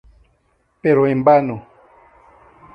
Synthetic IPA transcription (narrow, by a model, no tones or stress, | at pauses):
peɾoẽmbano